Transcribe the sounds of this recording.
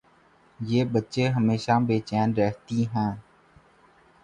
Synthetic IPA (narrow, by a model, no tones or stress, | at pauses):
jeːbətːʃeɦəmeːʃabeːt͡ʃɛːnɾɛɦt̪iɦɛ̃ː